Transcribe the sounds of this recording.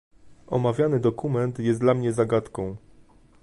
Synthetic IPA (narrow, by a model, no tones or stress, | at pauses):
ʔɔ̰mavʲjanɘd̪ɔkumɛnt̪jɛsd̪lamɲɛzaɡat̪kɔ̃w̃